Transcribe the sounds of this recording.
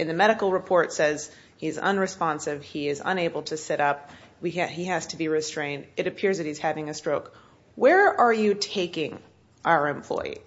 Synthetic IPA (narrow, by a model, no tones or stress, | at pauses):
ɨ̃nðɨmɛɾɨkl̩ˠɹɨpʰɔɹtsɛz̥ | hiɨzə̰̃nɹɨspɑ̃nsɨv̥iɪzə̰̃neɪbl̩ˠtʰɨsɛɾʌp̚ | wiiæz̥tʰɨbiɹɨstɹ̥ẽɪ̃ndɨɾɨpʰɪɹzðɨt̚hiz̥hævɪ̃ŋɨstɹ̥oʊk | wə˞ə˞jɨtʰeɪkɪ̃ŋ | ʔaʊə˞ɨ̃mpʰl̥ɔ̰ɪḭ